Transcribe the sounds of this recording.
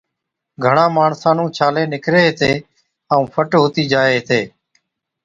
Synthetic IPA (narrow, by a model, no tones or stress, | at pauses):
ɡʱəɳãːmaːɳsãːnũːt͡ʃʰaːleːnɪkɾeːɦt̪eː | əũːpʰəʈɦoːt̪iːd͡ʒaːeːɦt̪eː